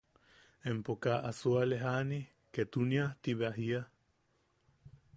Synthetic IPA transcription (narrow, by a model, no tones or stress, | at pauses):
empokaʔasualeɦani | ket̪uniaht̪iβeaɦia